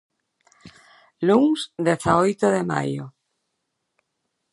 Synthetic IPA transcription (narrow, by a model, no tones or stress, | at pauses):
luŋsd̪eθaojt̪oðema̰jo